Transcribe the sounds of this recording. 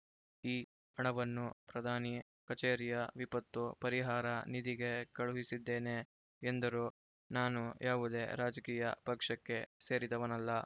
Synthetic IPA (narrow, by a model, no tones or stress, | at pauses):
iː | ɐɳɐʋɐnːupɾɐd̪ʱaːni | kɐt͡ʃeːɾijɐʋipɐt̪ːupɐɾiɦaːɾɐnid̪iɡekɐɭuɦisid̪ːe̞ːneː | nd̪ɐɾu | naːnujʔaːʋud̪e̞ːɾaːd͡ʒɐkiːjɐ̰pɐkʂɐkːe̞se̞ːɾid̪ɐʋɐnɐlːɐ